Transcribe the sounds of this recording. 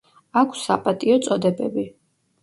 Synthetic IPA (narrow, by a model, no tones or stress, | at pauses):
akʷʰsːa̰pʼat̪ʼiɔt̪sʼɔd̪ɛbɛbi